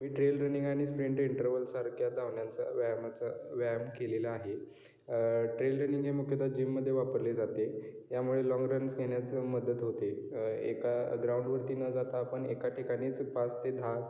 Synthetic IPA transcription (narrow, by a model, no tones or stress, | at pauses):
miːʈɾelɾəniŋɡaɽ̃ispɾeɳʈiɳʈəɾʋəlsaɾkʰjad̪aʋɳjant͡sa̰ʋamat͡saʋamkelelaːɦe | ʈɾelɾəniŋɡd͡ʑemukʰjət̪ad͡ʑimːəd̪ʱːjeʋapəɾled͡zat̪e | jamuɭelɔŋɡɾənsɡʱeɳjat͡səməd̪ət̪ɦot̪e | ḛkaɡɾauɳɖʋəɾt̪iːnəd͡zat̪aːpəɳekaʈʰikaɽ̃iːt͡spast̪ed̪ʱa